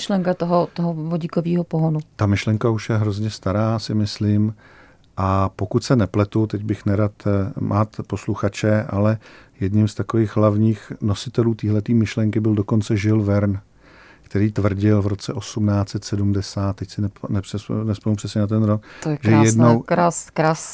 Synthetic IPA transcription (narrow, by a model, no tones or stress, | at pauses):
ʃlɛŋkat̪oɦot̪oɦovoɟikoviːɦopoɦonut̪amɪʃlɛŋkauʃjɛɦɾo̞zɲɛst̪aɾaːsɪmɪslɪm | ʔapo̞kut̪sɛnɛplɛt̪ut̪ɛɟbɪxnɛɾat̪mʔaːt̪po̞sluxat͡ʃɛʔalɛjɛdɲɪmst̪akoviːɣɦlavɲiːxno̞sɪt̪ɛluːt̪iːɦlɛt̪iːmɪʃlɛŋkɪbɪldo̞ko̞nt͡sɛʒɪlvɛɾn | kt̪ɛɾiːt̪vr̩ɟɪlvɾo̞t͡sɛʔo̞sumnaːt͡sɛt̪sɛdumdɛsaːt̪̚ːɛcsɪnɛnɛpr̥ɛsnɛspɛnupr̥ɛsɲɛnat̪̬ɛnɾokt̪ojʒɛjɛdnnowɾaskɾas